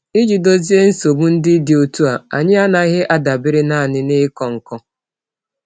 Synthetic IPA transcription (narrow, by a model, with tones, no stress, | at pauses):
ɪ˦d͡ʒi˨do˦zi˦e˦n̩˦so˨bu˦n̩˦dɪ˦dɪ˨o˨tu˦a˨a̰˨ɲɪ˦a˦na˨ɣɪ˦ʔa˦da˨bɪ˦ɾɪ˦na˦a˨nɪ˦nɪ˦kɔ˨ŋ̩˨kɔ˦